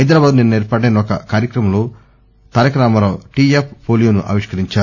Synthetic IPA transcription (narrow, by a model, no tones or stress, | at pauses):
ɐjd̪ɾaːbaːd̪unenːuneːɾpɐɽeːnɔkɐkaːɾjɐkɾɐmɐloː | t̪ɐːɾɐkɾaːmɐloːʈiːepʰːoːljuːnuʔɐ̰ʋiʂkɐɾiɲt͡ʃaː